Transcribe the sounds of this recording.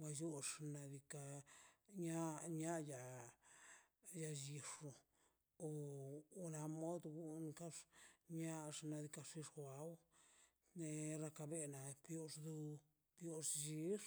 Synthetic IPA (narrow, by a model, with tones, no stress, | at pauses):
wa˧jo˦ʂna˧d̪i˧ka˧ | ɲa˦ɲa˦ja˨˧ | ja˧ji˧ʂo˨ | o˨o˧na˧mo˦d̪ɡu˦˧nka˦ʂɲa˦ʂna˧d̪i˧ka˧ʂi˧ʂʷa˨˧w | ne˧ɾa˧ka˧be˧na˧pjo˧ʂd̪u˧ | pjo˦ʂd͡ʒi˧˦ʂ